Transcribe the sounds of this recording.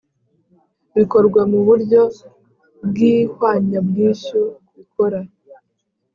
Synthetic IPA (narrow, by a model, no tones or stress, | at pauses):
βiko̞ɾɡwamuβuɾɟo̞ | bɡiːhwaːɲabɡiːʃuwikoɾa